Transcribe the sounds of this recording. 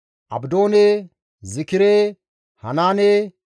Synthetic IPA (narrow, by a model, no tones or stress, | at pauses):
ʔɐ̰bd̪o̞ːneː | zɪkɪɾe | hɐnaːneː